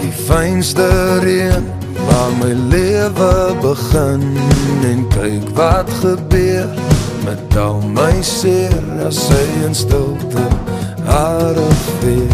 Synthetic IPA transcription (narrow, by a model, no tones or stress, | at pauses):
difɛjnstəɾiən | vaːrməjliəvəbəχənɛnkəjkvɐtχəbør | mɛt̚dalˠməjsirnasəjənstəlˠtə | aːɾɔffɪ